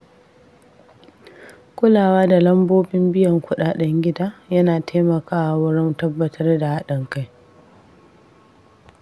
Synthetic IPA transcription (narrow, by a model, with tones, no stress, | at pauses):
kʷʊ˦laː˨waː˦da˨lɐ˦mboː˦bɪ˦mbɪ˦jɐ˨ŋkʷʊ˦ɗaː˨ɗɛ˦ŋɡʲɪ˦daː˦jɐ˦naː˨tʰeː˦mɐ˨kaː˦ʔa˨wʊ˦ɽɔ˦ntɐ˦bːɐ˨tʰɐ˦rda˨ha˦ɗɐ˨ŋka˦j